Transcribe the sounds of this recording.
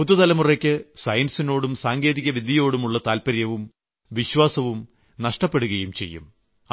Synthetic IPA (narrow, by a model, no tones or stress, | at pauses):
pud̪ːut̪ɐlɐmurekʲːɨsɐjɐnsino̞ːɽumsaːŋɡe̞ːðiɣɐʋid̪ʱjijo̞ːɽumuɭːɐt̪aːlpɐɾjɐʋum | ʋiɕʋaːsɐʋum | nɐʂʈɐpːe̞ɽuɣɐjumt͡ɕe̞̰jːṵm